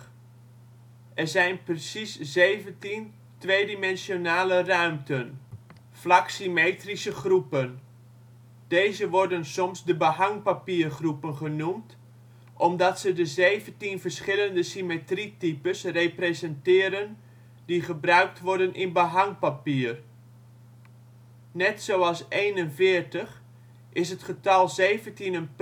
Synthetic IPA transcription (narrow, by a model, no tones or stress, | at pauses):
ʔɛrzɛjnprəsiszeːvəntin | tʋeːdimɛnsjonaːlərœɥmtən | flaksimeːtrisəχrupən | d̥ejzəʋɔɹdənsɔmsdəbəɦɑŋpapiːrχrupənχənumt | ʔɔmdɑtsədəzeːvəntinfərsχɪləndəsimetritipəsrepresɛntɪːɾən | diχəbrœɥk̚tʋɔrdənʔɪnbəɦaŋpapiːər | nɛtsowɑlˠsejnənfɪərtəχ | ʔɪsɦətχətɑlˠzeːvəntinənp